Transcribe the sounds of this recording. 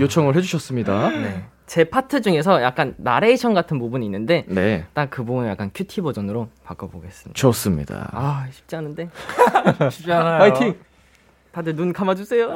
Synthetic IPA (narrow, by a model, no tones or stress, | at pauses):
jot͡ɕʰʌŋɯɭɦed͡ʑuɕʰʌs͈ɯmɲidane̞ | t͡ɕe̞pʰatʰɯd͡ʑuŋe̞s̬ʰʌjak̚k͈anːaɾe̞iɕʰʌnɡatʰɯnpubuninːɯnde̞ne̞t͈akkɯbuɡunjak͈ankʰutʰibod͡ʑʌnɯɾopak͈ʌbo̰ɡe̞s͈ɯmɲḭt͡ɕʌs͈ɯmɲḭda̰aɕʰi̥p̚t͡ɕ͈ianɯnde̞ | ɕʰipt͡ɕianajatʰiŋ | tadɯɭnunkʰamad͡ʑus͈ʰe̞jo